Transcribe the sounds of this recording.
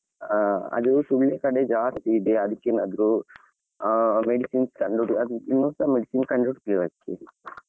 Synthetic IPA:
ɐ̰d̪ɐɾusuɭːekɐɽed͡ʒaːst̪iːd̪eɐd̪ɐkːenad̪ɐɾu | meɖisiːnskɐɳɖoɽuɐd̪uinːoːnsaːmeɖisinkɐɳɖoɽkliʋɐkːe

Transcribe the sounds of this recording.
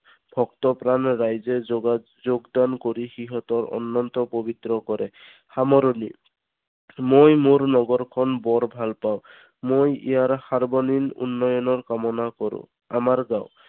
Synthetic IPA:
b̥ʱɔkt̪ɔpɹanɹajzɛ | zoɡd̪ankoɹixiɦɔt̪ɔɹɔ̰nːɔnt̪ɔpobit̪ɹɔkɔɹɛ | xamɔɾoni | mojmoɹnɔɡɔɹkʰɔnbɔɹbʱalpaw̃ | mojḭjaɹxaɹbɔninṵnːɔjɔnɔɹkamɔnakɔɹʊ̰̃ | amaɹɡaʊ

